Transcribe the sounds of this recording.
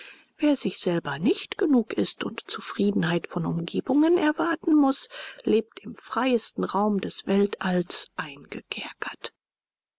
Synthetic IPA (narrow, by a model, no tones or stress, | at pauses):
veːɐzɪçz̥ɛlbɐnɪçtɡ̥ənuːkɪstʊ̰ntt͡sufʁ̥iːdn̩haɪtfɔnʊmɡeːbʊŋənɛɐvaɐtn̩mʊsleːp̚tɪmfʁ̥aɪəstn̩ʁaʊmdɛsv̥ɛltʔalsʔaɪnɡ̥əkʰɛɐkʰɐ̥t